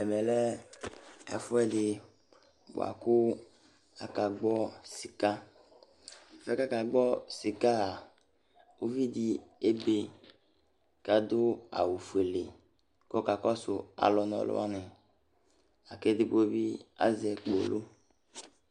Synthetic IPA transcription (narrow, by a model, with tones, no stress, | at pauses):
ɛ˨mɛ˨lɛ˦ | a̰˨fʊ˦ɛ˦dɪ˨ | bo̰˨a̰˨kʊ˦ | a˨ka˨ɡ͡bɔ˦si˨ka˦˨ | fɛ˦ka˦ka˨ɡ͡bɔ˦si˨ka˦a˨ | o˦vi˦di˨˦e˦be˨ | ka˨d̪ʊ˦a̰˨wu˨fu˨e˨le˨ | ko˦ka˨kɔ˦sʊ˨a̰˨lɔ˨nɔ̰˨lo̰˦a˦ne˨ | a˨ke˦dɪ˦bo˦bi˦a̰˨˦zɛ˨k͡po˨lo˦